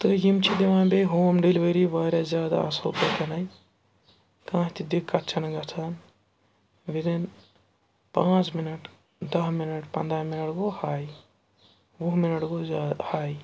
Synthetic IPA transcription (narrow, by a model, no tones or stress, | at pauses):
t̪ɨjimt͡ʃʰid̪eʋãːbeɦoːmɖilʋɐɾiʋɐːɾɐzjaːd̪a̰ɐ̰so̰ːkɐt̪ʰɐnɐj | kãːɦt̪id̪ikːɐt̪t͡ʃʰɐnɡɐt̪ʰɐn | ʋid̪in | pãːt͡ʃminɐʈ | d̪ɐɦminɐʈpɐ̃nd̪ɾaminɐʈɡohaːj | buɦminɐʈɡoahaːj